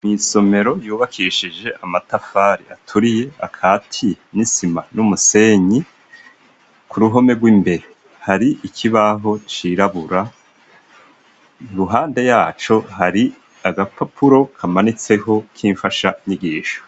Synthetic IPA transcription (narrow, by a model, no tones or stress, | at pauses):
miso̞me̞ɾo̞juːβakʰiʃid͡ʒe̞ʔamatafaːɾḭa̰tʰuɾije̞akʰatʰinisimanumuse̞ːɲi | kʰuɾuɦo̞me̞ɡwiːmbe̞ɾe | haɾiʔikʰiβaɦo̞t͡ʃiɾaβuɾa | ɾuɦaːnde̞jaːt͡ʃo̞ɦaɾi | aɡapapʰuɾo̞kʰamanit͡se̞ho̞kʰiːɱfaʃaiɲiɡiːʃo̥